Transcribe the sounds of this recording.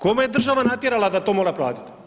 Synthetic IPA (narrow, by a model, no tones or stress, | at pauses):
komejed̪r̩ʒaʋanat̪jeɾalˠad̪at̪o̞ːmoɾapɾaːt̪i̥t̪